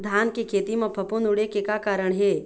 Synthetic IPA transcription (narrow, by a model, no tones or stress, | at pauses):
d̪ʱaːnkikʰeːt̪imẽpʰɐpunʊɽekekakaːɾəɽ̃ɦeː